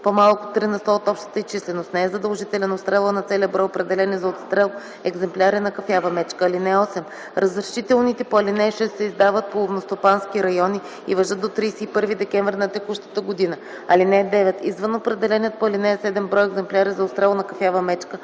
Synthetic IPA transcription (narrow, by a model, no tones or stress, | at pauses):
pomalˠkʊ̥t̪ɾinɐst̪ɔot̪ɔpʃt̪ə̥t̪əist͡ʃislɛnost̪nɛɛzɐd̪əlˠʒit̪ɛlɛnot̪st̪ɾɛlˠənɐt̪sɛliəbɾɔjopɾɛd̪ɛlɛnizɐot̪st̪ɾɛlˠ | ɛɡzɛmplʲaɾinɐkɐfjavɐmɛt͡ʃkəɐlinɛɔsɛm | ɾɐzɾɐʃit̪ɛlˠnit̪ɛpoɐlinɛʃɛsːɛizd̪avət̪̚polˠovnost̪opanskiɾɐjɔni | ivɐʒɤt̪̚d̪ot̪ɾijsɛipɤɾvid̪ɛkʲɛɱvɾinɐt̪ɛkuʃt̪ə̥t̪əɡod̪inə | ɐlinɛd̪ɛvɛt̪izvənopɾɛd̪ɛlɛniət̪̚poɐlinɛɛsɛd̪ɛmbɾɔjɛɡzɛmplʲaɾizɐot̪st̪ɾɛlˠnɐkɐfjavəmɛt͡ʃkə